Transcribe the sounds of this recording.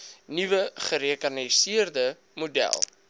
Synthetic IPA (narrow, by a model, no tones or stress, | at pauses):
nivəχəɾiəkɐnisiərdə | mudæ̰lˠ